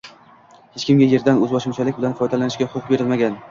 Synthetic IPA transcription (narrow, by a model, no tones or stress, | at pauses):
het͡ʃkʲɪmɡʲaje̞ɾd̪anɵzbɒʃɪmt͡ʃʰalɪk̚ʲbɪlanfɒjd̪alanɪʃkʲaχʊqbe̞ɾɪlmaɡʲan